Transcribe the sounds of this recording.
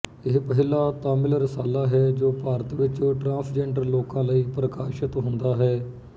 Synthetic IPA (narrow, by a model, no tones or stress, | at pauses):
ɪɦpəɦɪlaːt̪aːmɪlɾɪsaːlaːɦɛːd͡ʒoːpaːɾət̪ʋɪt͡ʃõːʈɾãːnsd͡ʒɛ̃ːɳɖəɾloːkãːləiːpɾəkaːʃɪt̪ɦʊnd̪aːɦɛː